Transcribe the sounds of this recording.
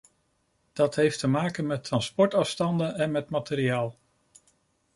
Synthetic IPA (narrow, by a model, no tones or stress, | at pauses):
d̥ɑtɦejftəmaːkənmɛtrɑnspɔɹtɑfstɑndəɛnmɛtmateɾiaːlˠ